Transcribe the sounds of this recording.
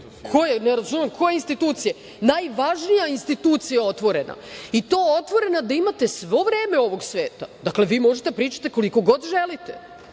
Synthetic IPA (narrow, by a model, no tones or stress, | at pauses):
kʰo̞jeneɾazume̞mkʰo̞jeinst̪it̪uːt̪sije | najʋaʒnijainst̪it̪uːt̪sijao̞t̪ʋo̞ɾe̞na̰it̪oːjeo̞t̪ʋo̞ɾe̞nad̪aimat̪e̞sʋo̞vɾe̞ːme̞o̞ʋo̞ɡsʋeːt̪ad̪akle̞ʋiːmo̞ʒet̪epɾiːt͡ʃḁt̪eko̞likoɡo̞d̪ʒelit̪e